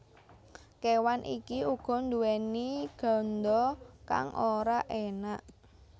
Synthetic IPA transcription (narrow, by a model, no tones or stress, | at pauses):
kewanʔḭkiuɡ̥ɔ̤nd̪uɛniɡ̥ɔ̤nd̪ɔka̰ŋʔoɾaʔenaʔ